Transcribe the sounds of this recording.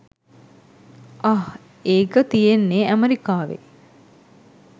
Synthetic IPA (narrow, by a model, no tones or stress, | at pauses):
ah | eːkət̪ijenːeʔæmeɾikaːʋḛ